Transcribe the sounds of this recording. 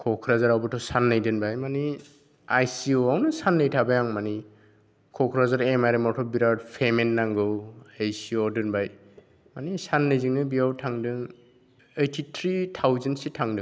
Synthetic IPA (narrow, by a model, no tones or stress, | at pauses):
kʰɔkʰɾazaɾawbɯtʰɔsanːɯjdɯnbajmani | ajsiɔawnɯsanːɯjtʰabajaŋmani | kʰɔkʰɾazaɾemajɾemɔtʰɔbiɾad̚pʰemenːaŋɡɯwajsiɔdɯnbaj | manisanːɯjziŋnɯbiawtʰaŋdɯŋ | ejtʰitʰɾitʰawzantsitʰaŋdɯŋ